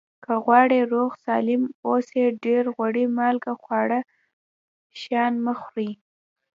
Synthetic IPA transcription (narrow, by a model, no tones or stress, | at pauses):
kəɣwɑɽeɾoɣsɑlɪmoseɖeɾɣwaɽimalɡaxwɑɽa | ʃɑnməxɾi